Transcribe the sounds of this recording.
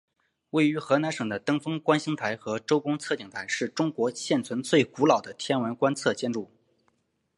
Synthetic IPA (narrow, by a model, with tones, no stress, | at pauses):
we˥˩ɪy˧˥xɤ˧˥na˧˥nʂɤ˨˩ŋd̪ə˦t̪ɤ˥ŋfɤ˥ŋkwa˥nɕi˥ŋt̪ʰa˧˥ɪxɤ˧˥ʈ͡ʂo˥ʊkʊ˥ŋt͡sʰɤ˥˩t͡ɕi˨˩ŋt̪ʰa˧˥ɪʂɻ̩˥˩ʈ͡ʂʊ˥ŋkwɔ˧˥ɕjɛ˥˩nt͡sʰwə˧˥nt͡swe˥˩ɪku˧˥lɑ˨˩ʊd̪ə˦t̪ʰjɛ˥nwə˧˥nkwa˥nt͡sʰɤ˥˧˩t͡ɕjɛ˥nʈ͡ʂu˥˩